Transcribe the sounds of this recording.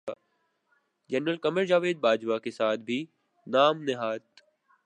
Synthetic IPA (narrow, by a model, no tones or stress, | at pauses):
d͡ʒɛnɾəlkɐməɾd͡ʒaːʋeːd̪̚baːd͡ʒʋakesaːt̪̚ʰbʱi | naːmnɪɦaːt̪